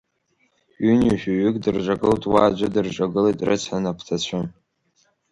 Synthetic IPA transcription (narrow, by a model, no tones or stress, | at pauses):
ʏniʃᶣaɥɪkʼdɨrʒʷaɡɨltʼwaːd͡ʒʷɪdɨrʐʷʼaɡɨletʼrɨ̰t͡sʰħanapʰtʰat͡ɕʷʰɨm